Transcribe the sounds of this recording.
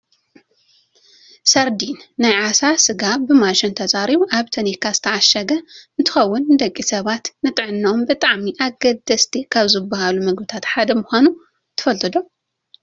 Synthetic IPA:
sɐɾd̪inːajʕasasɨɡabɨmaʃɪnt̪ʰɐt͡sʼaɾiβuʔaβt̪ʰɐnikʰazɨt̪ʰɐaʃɐɡɐɨnt̪ʰɨ̥xɐwːʊnɨd̪ɐkʼːisɐβat̪nɨt̪ʼɨʕɨnːɐombɨt̪ʼaʕmiʔaɡɐd̪ɐst̪ʰikʰaβzɨbːahalumɐɡbɨt̪ʰat̪ħad̪ɐmʊxʷanu | t̪ʰɨ̥fɐlt̪ʰɨd̪o

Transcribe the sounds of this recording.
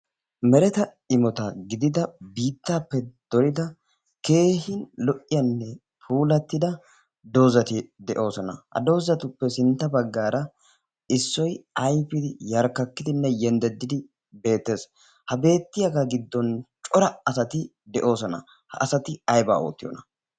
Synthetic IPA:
mɛɾɛt̪ɐ | ɪmɔt̪ɐɡɪd̪ɪd̪ɐbiːt̪ːaːpːɛd̪̥ɔɾɪd̪ɐ | ke̞ːɦɪnlɔʔɪjɐnːɛ | pʰuːlɐt̪ːɪd̪ɐ | d̪o̞ːzɐt̪ɪd̪ɛʔo̞ːsɔnɐ̰hɐ̰d̪o̞ːzɐt̪ʊpːɛsɪnt̪ːɐbɐɡːaːɾɐ | ɪsːɔjɐjpɪd̪ɪjɐɾkːɐkːɪd̪ɪnːɛjɛnd̪ɛd̪ːɪd̪ɪ | be̞ːt̪ːe̞ːs | hɐbe̞ːt̪ːɪjɐɡɐɡɪd̪ːɔnt͡ʃʼɔɾɐɐsɐt̪ɪ | d̪ɛʔo̞ːsɔnɐ̰ | hɐ̰ʔɐsɐt̪ɪɐjba̰ːo̰ːt̪ːɪjɔ̰nɐ

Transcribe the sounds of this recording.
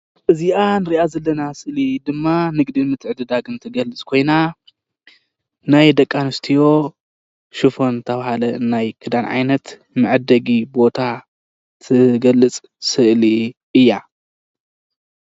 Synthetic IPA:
ʔɨziʔanɨɾiʔazɐlːɐnasɨʔlid̪ɨmːanɨɡd̪inmɨt̪ʰːɨʕd̪ɨd̪aɡɨnt̪ʰɨɡɐlɨt͡sʼkʰo̞jna | najd̪ɐkʼːanɨst̪ʰijo̞ | ʃɨfo̞nt̪ʰɐβahalɐɨnːajkʰɨd̪anʕa̰jnɐt̪ | mɨʕɨd̪ːɐɡibo̞t̪ʰa | t̪ʰɨɡɐlːɨt͡sʼ | sɨʔliʔɨjːa

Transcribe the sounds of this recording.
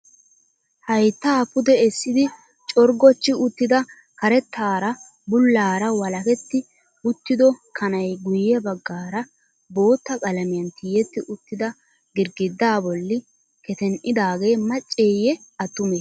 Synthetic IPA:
hɐjt̪ːaːpʊd̪ɛɛsːɪd̪ɪ | t͡ʃʼɔɾɡɔt͡ʃːɪʊt̪ːɪd̪ɐ | kɐɾɛt̪ːaːɾɐ | bʊlːaːɾɐwɐlɐkɛt̪ːɪ | ʊt̪ːɪd̪ɔkʰɐnɐjɡʊjːɛbɐɡːaːɾɐ | bo̞ːt̪ːɐkʼɐlɐmɪjɐnt̪iːjɛt̪ːɪʔʊt̪ːɪd̪ɐ | ɡɪɾɡɪd̪ːaːbɔlːɪ | kɛt̪ɛnʔɪd̪aːɡeːmɐt͡ʃʼːeːjɛɐt̪ːʊme

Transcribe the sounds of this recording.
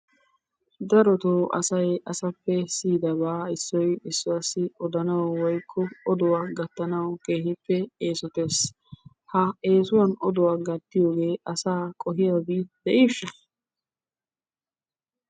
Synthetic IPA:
d̪ɐɾɔt̪oːʔɐ̰sɐjɐsɐpːɛsiːd̪ɐbaːɪsːɔjɪsːɔɐsːɪʔɔd̪ɐnɐwwɔjkʰːɔɔd̪ɔwaːɡɐt̪ːɐnɐwke̞ːhɪpːɛeːsɔt̪e̞ːs | hɐe̞ːsʊwɐnɔd̪ʊwaːɡɐt̪ːɪjo̞ːɡe̞ːʔɐsaːkʼɔɦɪjɐːbid̪̥ɛʔiːʃːɐ

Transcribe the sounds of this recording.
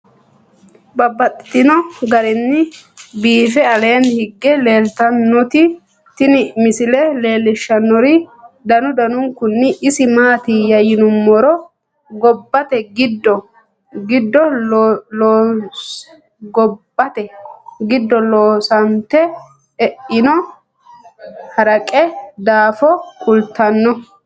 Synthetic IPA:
bɐbːɐt̪ʼːɪt̪ːɪnɔɡɐɾɪnːɪbiːfɛɐle̞ːnhɪɡːɛle̞ːlt̪ɐnːɔt̪ɪ | t̪ɪnɪmɪsɪlɛle̞ːlːɪʃːɐnːɔɾɪd̪ɐnʊd̪ɐnʊŋkʊnːɪʔɪsɪmaːt̪ɪjɐjɪnʊmːɔɾɔ | ɡɔbːɐt̪ɛɡɪd̪ːɔ | ɡɪd̪ːɔloː | ɡɔbːɐt̪ɛɡɪd̪ːɔloːsɐnt̪ɛ | ɛʔɪnɔ | hɐɾɐkʼɛd̪aːfɔkʊlt̪ɐnːɔ

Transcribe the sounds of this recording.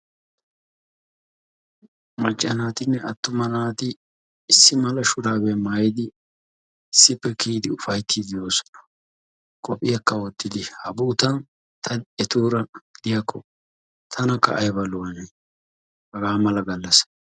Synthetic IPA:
mɐt͡ʃʼːɐnaːt̪ɪnːɛɐt̪ːʊmɐnaːt̪ɪ | ɪsːɪmɐlɐʃʊd̪aːbɛmaːjɪd̪ɪ | ɪsːɪpːɛkiːd̪ɪʊfɐjt̪ʰːiːd̪ɪjo̞ːsɔ̥nɐ̥ | kʼɔpʼːɪjɐkːɐwɔt̪ːɪd̪ɪhɐbuːt̪ɐn | t̪ʰɐɛt̪uːɾɐɡɪd̪̥ɪjɐkːɔ | t̪ʰɐnɐkːɐ̰ʔɐjbɐlʊwɐnɛ | bɐɡaːmɐlɐɡɐlːɐs

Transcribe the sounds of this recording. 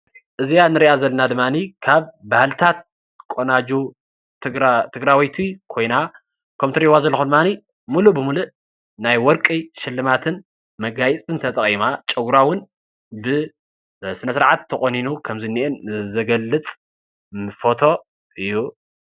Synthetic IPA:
ʔɨzijanɨɾiʔazɐlːɐnad̪ɨmːanikʰaβbahlt̪ʰat̪̚ | kʼonad͡ʒu | ɾt̪ʰɨɡɾawɔjt̪ʰikʰo̞jna | kʰomt̪ʰɨɾiwazɐlːxud̪ɨmːani | mulubɨmuluʔ | najwɔɾkʼiʃɪlːɨmat̪ʰɨn | mɐɡajit͡sʼɨnt̪ʰɐt̪ʼɐχʼimat͡ʃʼɐɡɾawʊn | bɨ | sɨnɐsɨɾʕat̪ʰːɐχʼoninukʰɐmzɨnːiʔɛnzɐɡɐlːɨt͡sʼ | nɨfot̪ʰo̞ | ʔɨjːu

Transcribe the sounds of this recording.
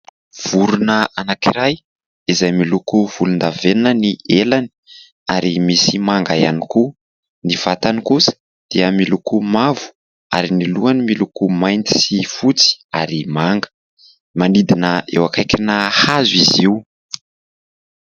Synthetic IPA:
v̥uɾunəanakiɾaj | izajmilukuv̥ulund̪avennənielani̥ | aɾimisimaŋɡajaniku | niv̥at̪anikusə̥ | d̪̥iəmilukumavu̥ | a̰ɾiniluanimilukumajnt̪i̥sifut͡si̥aɾimaŋɡə̥ | manid̪inəʔḛwakajkʲinahazwiziw

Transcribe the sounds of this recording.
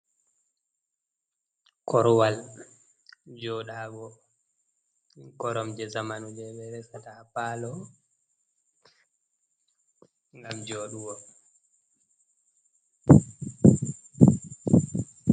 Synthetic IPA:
kɔɾwal | d͡ʒɔːɗaːbɔ | kɔɾɔmd͡ʒɛzamanud͡ʒɛɓɛɾɛsatapaːlɔ | ŋɡamd͡ʒoːɗuwɔ

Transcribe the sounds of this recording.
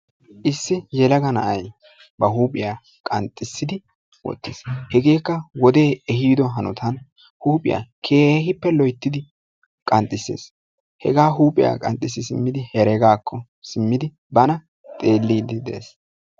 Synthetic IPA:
ʔɪsːɪjɛlɐɡɐnɐ̰ʔɐj | bɐɦuːpʼɪjaː | kʼɐnt̪ʼːɪsːɪd̪ɪ | wɔ̰t̪ːḛːshɛɡe̞ːkːɐwɔd̪e̞ːɛɦiːd̪ɔɦɐnʊt̪ʰɐn | huːpʼɪ̰ja̰ːkʰe̞ːhɪpːɛlɔjt̪ːɪd̪ɪ | kʼɐnt̪ʼːɪsḛːs | hɛ̰ɡaːɦuːpʼɪja̰ːkʼɐ̰nt̪ʼːɪs̬ːɪsɪmːɪd̪ɪhɛɾɛɡaːkʰːɔ | sɪmːɪd̪ɪ | bɐnɐ | t̪ʼe̞ːlːiːd̪ɪd̪ḛːs

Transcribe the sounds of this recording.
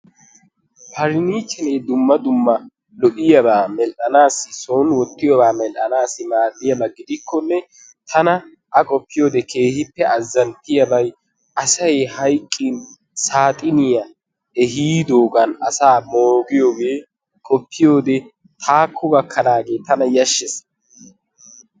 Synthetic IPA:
pʰɐɾɪniːt͡ʃːɛneːd̪ʊmːɐd̪ʊmːɐ | lɔʔɪjɐbaːmɛlʔɐnaːsːɪsoːnwɔt̪ːɪjɔbaːmɛlʔɐnaːsːɪmaːd̪ːɪjɐbɐɡɪd̪ɪkʰːɔnːɛ | t̪ʰɐnɐ | ʔɐkʼɔpːɪjo̞ːd̪ɛkʰe̞ːhɪpːɛɐzːɐnt̪ɪjɐbɐj | ʔɐsɐjhɐjkʼːɪn | saːt̪ʼɪnɪjɐ | ɛɦiːd̪oːɡɐnɐsaːmoːɡɪjoːɡe̞ː | kʼɔpʰːɪjo̞ːd̪ɛ | t̪ʰaːkʰːɔbɐkʰːɐnaːɡe̞ːt̪ɐnɐjɐʃːɛs

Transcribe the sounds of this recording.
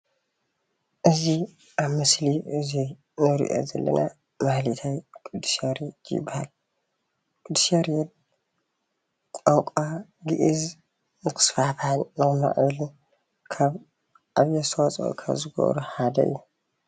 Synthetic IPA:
ʔɨzi | ʔaβmɨsliʔɨzi | nɨɾḭʔo̞̰zɐlːɐ̰na | mahlit̪ʰajkʰʼud̪ːu̥saɾjd̪jɪ̰bːahal | kʼud̪ːu̥saɾjɛd̪̚ | kʼowkʼaɡɨʔiz | nɨkʰɨ̥sfafhanːɐma̰ʔɨβlu | kʰaβ | ʔaβjɛsowat͡sʼo̰kʰa̰βzɨɡo̰βɾuħad̪ɐ̰ɨ̰jːu

